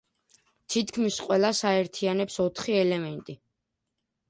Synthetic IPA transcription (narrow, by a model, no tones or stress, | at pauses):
t̪ʰit̪ʰkʰmisqʼwɛlˠasaɛɾt̪ʰianɛpsɔt̪ʰχiɛlɛmɛnt̪ʼi